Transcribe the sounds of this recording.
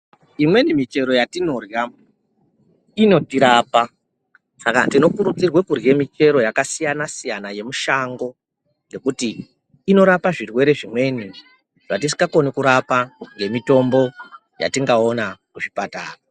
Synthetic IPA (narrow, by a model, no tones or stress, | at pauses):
imwe̞nimit͡ʃe̞ɾo̞jatino̞rja | ino̞tiɾaːpa | saka̰tino̞kuɾud͡zirwekurje̞mit͡ʃe̞ɾo̞jakasijanasijanaje̞muʃaŋɡo̞ | ŋɡe̞kutiː | no̞ɾapaʐirwe̞ɾe̞ʐimwe̞ni | ʐ̥atisi̥ɡako̞nikuɾapaŋɡe̞mito̞mbo̞ | ja̰tiŋɡaonakuʐipata̰ːra